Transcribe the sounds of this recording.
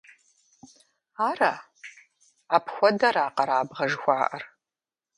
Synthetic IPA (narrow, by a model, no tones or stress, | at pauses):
aːra | aːpʰxʷɔdɐɾaːqɐɾaːbʁɐʒxʷaːʔɐr